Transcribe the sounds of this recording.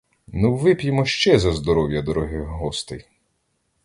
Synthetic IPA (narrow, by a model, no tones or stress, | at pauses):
nuʋɪpʲjɪmɔʃt͡ʃɛzɐzd̪ɔɾɔwjɐd̪ɔɾɔɦɪɦɔst̪ɪj